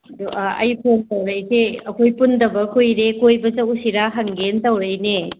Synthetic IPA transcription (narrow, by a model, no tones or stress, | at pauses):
ɐdoʔɐ̰jpʰomtɐwɾɐjseɐkʰojpundɐbɐkʰojɾekojbɐt͡ʃɐwusiɾaɦaŋɡentɐwɾɐjne